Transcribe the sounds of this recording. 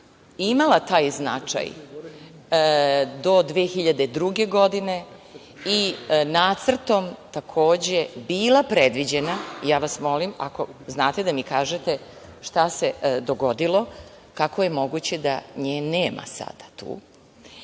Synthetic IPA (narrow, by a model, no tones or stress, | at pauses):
imalat̪aːjzna̰t͡ʃa̰j | d̪o̞d̪ʋeːxiʎad̪e̞d̪ɾuɡeɡo̞d̪ine̞ | inaːt̪sr̩t̪o̞mt̪akʰo̞ːd͡ʑebiːlapɾed̪ʋid͡ʑe̞najaːʋasmo̞limako̞znaːt̪e̞d̪amikaːʒet̪e̞ | ʃt̪ase̞d̪o̞ɡo̞d̪ilˠo̞ | kakoje̞mo̞ɡut͡ɕe̞d̪aɲeːnːeːmʔa̰sa̰d̪̥at̪ṵː